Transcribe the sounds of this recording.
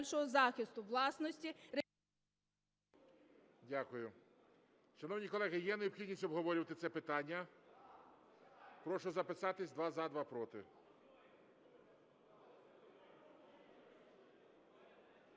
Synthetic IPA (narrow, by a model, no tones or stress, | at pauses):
lʲʃɔɦɔzɑxʲɪst̪ʊʋlˠɑsnɔsʲtʲiɾe | dʲakʊjʊ | ʃɐnɔwnʲikɔlˠɛɦɪjɛnejɔbxʲidʲnʲisʲtʲɔbɦɔʋɔɾʲɪʋɐt̪ɪt̪sɛpɪt̪ɑnʲːɐ | pɾɔʃʊzɐpɪsɑt̪ɪsʲd̪ʋɑzad̪ʋɑpɾɔt̪ɪ